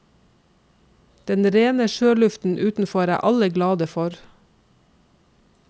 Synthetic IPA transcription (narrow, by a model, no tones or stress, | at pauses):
d̪̥ɛnɾeːnəʃøːlʉft̪n̩ʔʉːt̪n̩fɔɾæ̰ːʔɑləɡlɑːd̪əfɔɾ